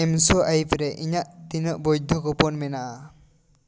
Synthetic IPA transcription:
ɛmsɔʔajpɾɛʔiɲaʔt̪inəʔbɔjd̪ʱɔkɔpɔnmɛnaʔa

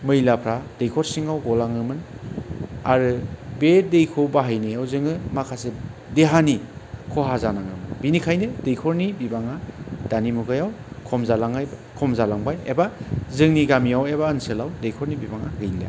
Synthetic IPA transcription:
mɯjlapʰɾad̥ejkʰɔɾsiŋawɡɔlaŋɯmɯn | aɾɯbedejkʰobaɦajneawzɯŋɯmakʰasedeɦanikʰɔɦazanaŋɯmɯnbinikʰajnɯdejkʰɔɾnibibaŋad̥animuɡajawkʰɔmzalaŋajkʰɔmzalaŋbajebazɯŋniɡamiawebaɯnselawdejkʰɔɾnibibaŋaɡɯjla̰

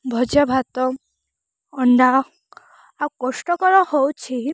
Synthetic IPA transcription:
bʱɔd͡ʒabʱat̪ɔ | ɔɳɖa | awkɔsʈɔkɔɾɔhowt͡ʃʰi

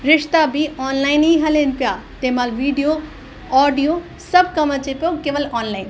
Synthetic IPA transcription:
ɾɪʂt̪abʱiɔːnlaːiniɦɐlenpjat̪emaːlʋiːɖijo | ɔːɖijo | sɐb̚kɐmat͡ʃepjokeːʋəlɔːnlaɪn

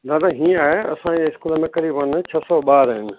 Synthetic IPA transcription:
d̪aːd̪aɦĩːə̃aːɦeɐ̰sãd͡ʑeɪskuːləmẽkɐɾiːbənt͡ɕʰɐsɔɓaːɾːɦɪnɪ̆

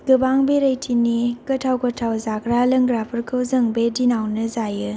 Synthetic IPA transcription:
ɡɯbaŋbeɾɐjtʰinikɐtʰawkɐtʰawzaɡɾalɐŋɡɾapʰɯɾkʰɯwzɐŋbedinawnɯzajɯ

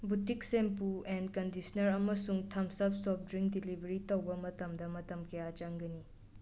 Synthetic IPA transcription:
butiksempuendkɐndisɐnɐɾɐmɐsuŋtʰɐmsɐp̚sɔp̚ʰdɾiŋdilibʱɐɾitɐwbɐmɐtɐmdɐmɐtɐmkɐjat͡ʃaŋɡɐni

